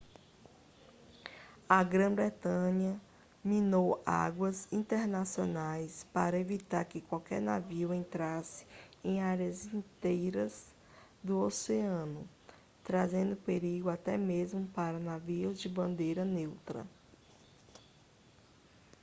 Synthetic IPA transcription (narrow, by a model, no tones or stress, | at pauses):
ɐɡɾɐ̃bɾet̪ɐ̃ɲɐ | mĩnowa̰ɡwɐzĩnt̪eɾnasionajspaɾɐevit̪aɾkɪkwawkɛ̰ɾnaviwẽnt̪ɾasɪ̥ẽj̃aɾjɐzĩt̪ejɾɐz | d̪ʊoseɐ̃nʊ | t̪ɾazẽnd̪ʊpeɾiɡʊat̪ɛmezmʊpaɾɐnaviʊzd͡ʒɪbɐ̃nd̪ejɾɐnewt̪ɾɐ̰